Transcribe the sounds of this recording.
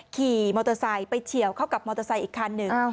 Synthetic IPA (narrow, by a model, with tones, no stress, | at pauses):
kʰiː˨˩mɔː˧t̪ɔ˧sa˧˩jpa˧jt͡ɕʰi˨˩˦ə˦wkʰa˥˩wka˨˩p̚mɔː˧t̪a˧sa˧˩jʔiː˨˩kʰːa˧nːɯ˨˩ŋ